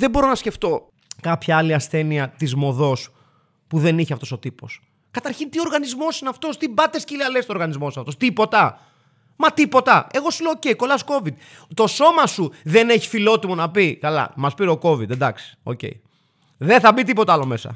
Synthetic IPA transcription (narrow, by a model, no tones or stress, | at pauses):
ðebo̞ɾo̞nɐsce̞ft̪o̞ | kɐpçɐɐliɐsθe̞niɐt̪izmo̞ðo̞s | puðe̞niçeɐft̪o̞so̞t̪ipo̞̰s | kɐt̪ɐɾçint̪io̞ɾɣɐnizmo̞sinɐft̪o̞st̪ibɐt̪e̞scilɐlest̪oɾɣɐnizmo̞sosɐft̪ost̪ipo̞t̪ɐ | mɐt̪ipo̞t̪ɐe̞ɣo̞suleooceiko̞lɐsko̞vid̪ | t̪o̞so̞mɐsuðe̞neçi̥filo̞t̪imo̞nɐpikɐlɐ̰mɐspiɾeoko̞vid̪ed̪ɐksi̥o̞̰cḛḭ | ðeθɐbit̪̬ipo̞t̪ɐɐlo̞me̞sɐ̰